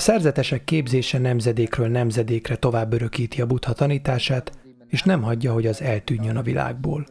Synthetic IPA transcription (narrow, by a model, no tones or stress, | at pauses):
ɒsɛrzɛt̪ɛʃɛkːeːbzeːʃɛnɛmzɛd̪eːkrøːlnɛmzɛd̪eːkrɛt̪o̞vaːbːøɾø̞kiːt̪iɒbut̪hɒt̪ɒniːt̪aːʃaːt̪ | eːʃnɛmɦɒɟːɒɦo̞ɟɒzɛlt̪yːɲːønɒvilʔa̰ːɡ̚bo̰ːl